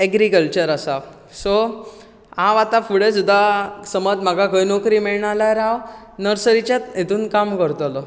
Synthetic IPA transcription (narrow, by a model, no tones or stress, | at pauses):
ɛɡɾikəlt͡ɕəɾasa | so | ãʋat̪afuɽesud̪ʱasəməd͡zm̤aɡʱaɡʱəjnokɾimiɭɳalaɾaʋ | nəɾsəɾit͡ɕat̪et̪uːnkamkəɾt̪əlɔ